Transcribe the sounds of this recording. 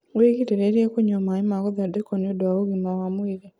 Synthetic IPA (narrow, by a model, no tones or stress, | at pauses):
weɣiteɾeɾiekuɲomaimaɣuðadekonodwaoɣimawamwiɾe